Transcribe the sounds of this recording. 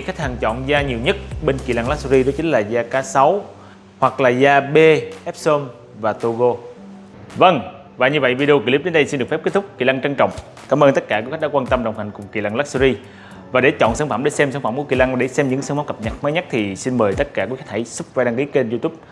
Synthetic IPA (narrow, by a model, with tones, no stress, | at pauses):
xa˦˥k̚ha˨˩ŋt͡ɕɔ̰˧˨nzaː˧ɲi˨˩əwɲə˦˥t̚ɓe˧nki˨laː˧ŋla˦˥szi˧zo˨˦jt͡ɕï˨˦ŋ̟laː˨˩zaː˧kaː˨˦sa˨˦w | hwa˨˩k̚laː˨˩zaː˧ɓe˧ʔɛ˦˥p̚so˧m | vaː˨˩t̪o˧ɣo˧ | və˧ŋ | vaː˨˩ɲɨ˧və̰˧˨jvi˧ɗe˧o˧ki˨˧˩li˦˥p̚ɗe˨˦nɗə˧jsi˧nɗɨ˨˩kfɛ˦˥pke˦˥t̪ʰʊ˥k͡p̚kːḭ˨˧˩la˧ŋt͡ɕə˧ŋt͡ɕɔ̰˧˨wŋ͡m | kaː˨˦məː˧nt̪ə˦˥t̚kaː˧˩kːxa˦˥k̚ɗaː˧˦kwaː˧nt̪ə˧mɗə̰˨˩wŋ͡mt̪a˨˩jŋ̟kʊ˨˩ŋ͡mkḭ˨laː˧ŋlaː˦˥k̚su˧i˧ | vaː˨˩ɗe˧˩˦t͡ɕɔ̰˧˨nsə˧ŋfa˧˩mɗe˧˩sɛ˧msa˧ŋfa˧˩mku˧˩˦ki˨˩la˧ŋɗe˧˩sɛ˧mɲɨ̰˧˥ŋsə˧ŋma˨˦wkə˨˩p̚ɲə˨˩t̚məː˨˦jɲa˦˥t̚t̪ʰi˨˩si˧nməː˨˩jt̪ə˦˥t̚kaː˧˩kːkxk̚ha̰˧˩jsʊ˦˥p̚vaː˧ɗaː˧ŋki˨˦ək̚t͡ɕe˧nzu˧t̪u˦˥p̚